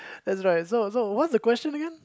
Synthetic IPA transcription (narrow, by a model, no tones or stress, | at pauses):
ðæts̬ɹaɪt̚soʊsoʊwʌtsðɨkw̥ɛst͡ʃɨ̃nəɡɛ̃n